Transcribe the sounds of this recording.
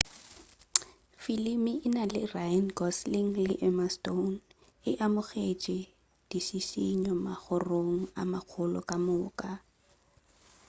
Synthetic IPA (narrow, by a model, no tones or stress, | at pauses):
filimiʔɪnalɪrajanɡɔsliŋ̩lɪʔɛmaston | ɪʔamʊχet͡ʃʼɪ | d̥isisiɲɔmaχʊroŋ̩a̰maq͡χʰʊlɔ̰kʼamʊːkʼa